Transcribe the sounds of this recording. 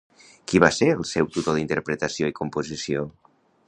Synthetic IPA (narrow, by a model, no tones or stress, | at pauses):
kiβaseɾəlˠsɛwt̪ut̪oðint̪əɾpɾət̪əsioikumpuzisio